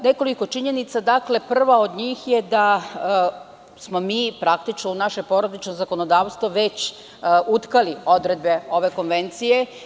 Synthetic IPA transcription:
ne̞ko̞liko̞t͡ʃiɲe̞nit̪sad̪akle̞pr̩ʋao̞d̪ɲiːxjed̪a | smo̞miːpɾakt̪it͡ʃnounaʃepo̞ɾod̪it͡ʃnozako̞nod̪aːʋst̪ʋoʋet͡ɕ | ut̪kalio̞d̪ɾed̪̚beo̞ʋe̞ko̞nʋe̞nt̪sije̞

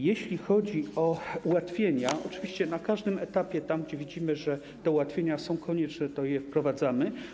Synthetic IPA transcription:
jeɕlʲixɔd͡ʑiɔuwat̪fʲjeɲaɔt͡ʂɘvʲiɕt͡ɕɛnakaʐd̪ɘmɛt̪apʲjɛt̪amɡd͡ʑɛvʲid͡ʑimɘʐɛ | t̪ɛuwat̪fʲjeɲasɔ̃w̃kʰɔɲɛt͡ʂnɛt̪ɔjɛfpɾɔvad̪zamɘ

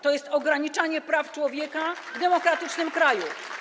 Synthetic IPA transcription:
t̪ɔjɛst̪ɔɡɾaɲit͡ʂaɲɛpɾaft͡ʂwɔvʲjɛkavd̪ɛmɔkɾat̪ɘt͡ʂnɘmkɾaju

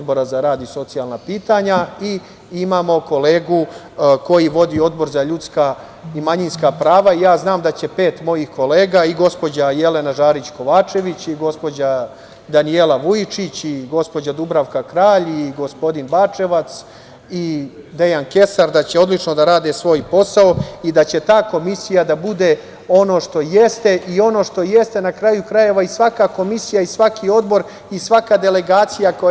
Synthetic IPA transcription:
d̪bo̞ɾazaɾaːd̪iso̞t̪sijalnapiːt̪aɲai | imaːmo̞ko̞le̞ːɡu | ko̞jiʋo̞d̪io̞d̪bo̞ɾzaʎut̪ska | imaɲinskapɾaːʋaijaːznaːmd̪at͡ɕe̞pe̞ːt̪mo̞jihko̞le̞ːɡaiɡo̞spo̞d͡ʑaje̞le̞naʒaːɾit͡ɕko̞ʋaːt͡ʃe̞ʋit͡ɕiɡo̞spo̞d͡ʑa | d̪anielˠaʋujit͡ʃit͡ɕiɡo̞spo̞d͡ʑad̪ubɾaʋkakɾaːʎiɡo̞spo̞d̪inbaːt͡ʂe̞ʋat̪s | id̪e̞janke̞saɾd̪at͡ɕe̞o̞d̪lˠit͡ʃno̞d̪aɾaːd̪esʋo̞ːjpo̞saoid̪at͡ɕe̞t̪aːko̞misijad̪abud̪e | o̞no̞ːʃt̪o̞jest̪e̞ʔio̞no̞ʃt̪o̞je̞st̪e̞nakɾaːjukɾaje̞ʋaisʋakako̞misijaisʋakʰio̞d̪bo̞ɾ | isʋakad̪e̞le̞ɡaːt̪sijako

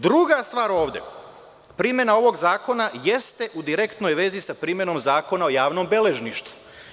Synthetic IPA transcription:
d̪ɾuɡast̪ʋaːɾo̞ːʋd̪ḛ | pɾiːmje̞nao̞ʋo̞ɡzaːko̞naje̞st̪e̞ʔud̪iɾe̞kt̪nojʋe̞zisapɾiːmje̞no̞mzaːko̞nao̞jaːʋnombe̞le̞ʒniʃt̪u̥

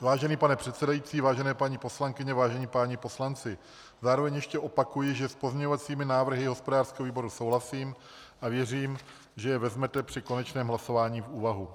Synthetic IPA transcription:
vaːʒɛniːpanɛpr̝̥ɛt̪sɛdajiːt͡siːvaːʒɛnɛːpaɲipo̞slaŋkɪɲɛvaːʒɛniːpaːɲɪpo̞slant͡sɪ | zaːɾo̞vɛɲjɛʃcɛʔo̞pakujɪʒɛspozmɲɛɲovat͡siːmɪnaːvr̩ɦɪɦo̞spo̞daːrskɛːɦoviːbo̞ɾuso̞wɦlasiːm | ʔavjɛriːm | ʒɛjɛvɛzmɛt̪ɛpr̥ɪko̞nɛt͡ʃnɛːmɦlaso̞vaːɲiːfuːvaɦu

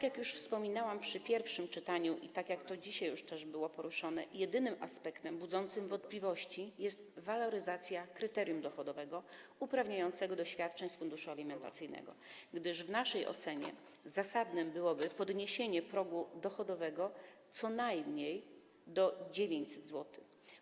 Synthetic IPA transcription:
t̪akʲjakjuʂfspɔmʲinawampʂɘpʲjɛɾfʂɘmt͡ʂɘt̪aɲuʔḭt̪akʲjakt̪ɔd͡ʑiɕajːuʂt̪ɛʐbɘwɔpɔɾuʂɔnɛjɛd̪ɘnɘmʔa̰spɛkt̪ɛmbud̪zɔnt̪sɘmvɔnt̪̚plʲivɔɕt͡ɕijɛst̪valɔɾɘzat̪sʲjakɾɘt̪ɛɾʲjumd̪ɔxɔd̪ɔvɛɡɔupɾavɲajɔnt̪sɛɡɔd̪ɔɕfʲjat̪̚t͡ʂɛɲsfund̪uʂualʲimɛnt̪a̰t̪sɘjnɛ̰ɡɔ̰ɡd̪ɘʂvnaʂɛjʔɔ̰t̪sɛɲɛ̰ | zasad̪nɘmbɘwɔbɘpɔd̪ɲeɕeɲɛpɾɔɡud̪ɔxɔd̪ɔvɛɡɔt̪sɔnajmɲej | d̪ɔd͡ʑevʲjeɲt͡ɕsɛd̪zwɔt̪ɘ̥

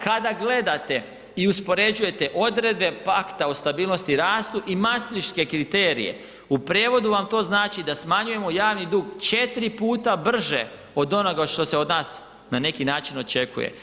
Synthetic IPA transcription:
kad̪aɡle̞d̪at̪e̞ | iuspo̞ɾe̞d͡ʒuje̞t̪e̞ʔo̞d̪ɾe̞d̪be̞pakt̪aost̪abiːlˠno̞st̪iɾaːst̪uʔimast̪ɾit͡ʃke̞kɾit̪eːɾḭje̞̰ | upɾeːʋo̞d̪uʋamt̪o̞ːznaːt͡ʃid̪asmaɲuje̞mo̞jaːʋnid̪uːɡt͡ʃe̞t̪ɾipuːt̪abr̩ʒḛ | o̞d̪o̞no̞ɡaʃt̪o̞seod̪naːs | nane̞kinaːt͡ʃino̞t͡ʃe̞kṵjḛ

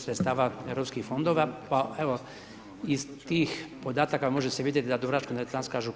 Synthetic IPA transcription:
sɾet̪st̪aːʋaevɾopskixfo̞nd̪oʋapaeʋo̞ | izt̪iːxpo̞d̪aːt̪akamo̞ʒeseʋid̪et̪d̪ad̪uɾat͡ʃkonet̪anskaːʒu

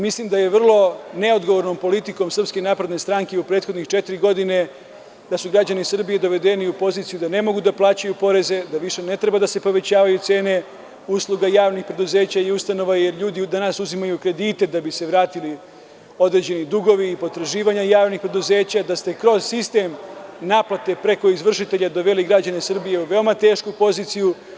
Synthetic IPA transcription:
mislimd̪aje̞ʋr̩lˠo̞ne̞o̞d̪ɡoʋo̞ɾno̞mpo̞lit̪iko̞msr̩pske̞naːpɾe̞d̪ne̞st̪ɾaŋke̞upɾeːt̪xo̞d̪nixt͡ʃe̞t̪iɾiɡo̞d̪ine̞ | d̪asuɡɾad͡ʑanisr̩bije̞d̪o̞ʋe̞d̪e̞niupo̞ziːt̪sijud̪ane̞mo̞ɡud̪aplˠaːt͡ɕajupo̞ɾe̞ze̞d̪aʋiʃe̞ne̞t̪ɾe̞bad̪ase̞po̞ʋe̞t͡ɕaːʋajut̪se̞ːne̞ | uslˠuɡajaːʋnixpɾe̞d̪uze̞ːt͡ɕaiust̪ano̞ʋaje̞ɾʎuːd̪id̪anaːsuzimajukɾe̞d̪iːt̪e̞d̪abise̞ʋɾaːt̪ili | o̞d̪ɾe̞d͡ʑe̞nid̪uɡo̞ʋiːpo̞t̪ɾaʒiːʋaɲajaːʋnixpɾe̞d̪uze̞ːt͡ɕad̪ast̪e̞kɾo̞z̥sist̪e̞mnaːplat̪e̞pɾe̞ko̞izʋr̩ʃit̪e̞ʎad̪o̞ʋe̞liɡɾad͡ʑanesɨr̩bije̞uʋe̞omat̪e̞ːʃkupo̞ziːt̪siju

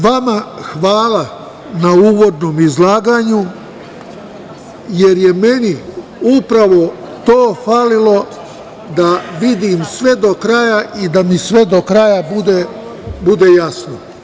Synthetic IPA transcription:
ʋamaxʋaːla | nauːʋo̞d̪no̞ːmizlˠaːɡaːɲu | je̞ɾje̞me̞ni | upɾaʋo̞ | t̪oːfalilo̞ | d̪aʋid̪iːmsʋe̞d̪o̞kɾajaid̪amisʋe̞d̪o̞kɾajabud̪e | bud̪ejasno

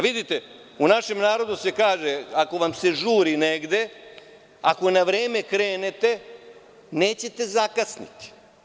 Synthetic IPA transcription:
ʋid̪it̪e | unaʃe̞mnaːɾo̞d̪use̞kaːʒeako̞ʋamse̞ʒuːɾineɡd̪e̞ | a̰ko̞naʋɾe̞ːme̞kɾe̞ːnet̪e̞ | neːt͡ɕe̞t̪e̞zakasnḭt̪i̥

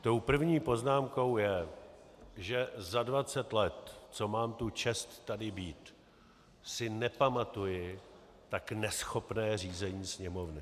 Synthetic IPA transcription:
t̪o̞wpr̩vɲiːpo̞znaːmko̞wjɛ | ʒɛzadvat͡sɛt̪lɛt̪t͡so̞maːmt̪ut͡ʃɛst̪ːadɪbiːt̪ | sɪnɛpamat̪ujɪ | t̪aknɛsxo̞pnɛːr̝iːzɛɲiːsɲɛmo̞vnɪ

